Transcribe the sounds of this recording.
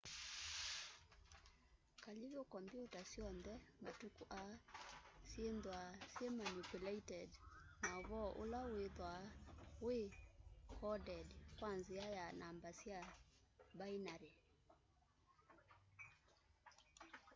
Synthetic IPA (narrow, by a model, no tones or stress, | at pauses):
kaliβjokɔmbjutasjɔnðɛmatukuʔasjendwasjemanupulɛitɛdnaβɔʔolaweðwawekʰɔdɛdkwanziajanambasja | bainaɾe